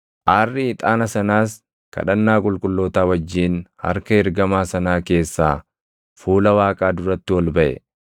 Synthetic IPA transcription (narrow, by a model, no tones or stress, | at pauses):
ʔaːrːɪɪt̪ʼaːnɐsɐnaːs | kɐ̰ᶑɐnːaːkʼʊlkʼʊlːoːt̪aːwɐd͡ʒːiːnhɐ̰ɾkɐɪɾɡɐmaːsɐnaːke̞ːsːaː | fuːlɐwaːkʼaːd̪ʊɾɐt̪ːɪwɔlbɐʔɛ̰